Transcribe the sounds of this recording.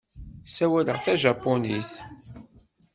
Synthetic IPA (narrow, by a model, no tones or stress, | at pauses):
sæwæləʁθæʒɑpːoniθ